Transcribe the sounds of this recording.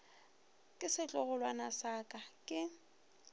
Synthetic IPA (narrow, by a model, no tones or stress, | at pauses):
kʼɪsɪt͡ɬʼɔɣʊlwanasakʼakʼɪ